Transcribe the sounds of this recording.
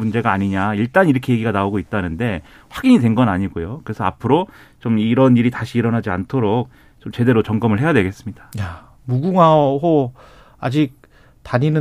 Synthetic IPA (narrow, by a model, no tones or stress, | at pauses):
und͡ʑe̞ɡaːɲiɲaiɭt͈aniɾʌkʰe̞je̞ɡiɡanaoɡoit̚t͈anɯnde̞ | ɸwaɡiɲidwenɡʌnaɲiɡojokɯɾe̞sʰʌa̰pʰɯɾo | t͡ɕomiːɾʌniɾitaɕʰiːɾʌnɦad͡ʑiantʰoɾok̚ | t͡ɕomt͡ɕe̞de̞ɾot͡ɕʌŋɡʌmɯɭɦe̞jadwe̞ɡe̞s͈ɯmɲid̥ḁja | muɡuŋaho | ad͡ʑik̚ | taɲinɯ